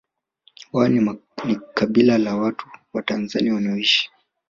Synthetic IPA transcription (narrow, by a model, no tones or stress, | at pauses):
waninikaɓilalawatuwatanzaniawaniɔiʃi̥